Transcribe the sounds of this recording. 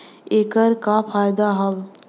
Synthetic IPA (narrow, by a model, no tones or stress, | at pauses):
eːkəɾkafʰaːjd̪aɦɐl